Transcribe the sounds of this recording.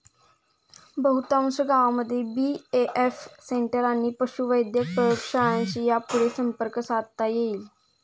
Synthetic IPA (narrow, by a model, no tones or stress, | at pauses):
bəɦut̪ãsəɡaʋãməd̪ʱːjebiːeʔefsẽɳʈəɾanːiːpəʃuʋəjd̪ʱjək̚pɾəjokʂaãt͡ɕijapuɾesəmpəɾksaːt̪t̪ajeiːl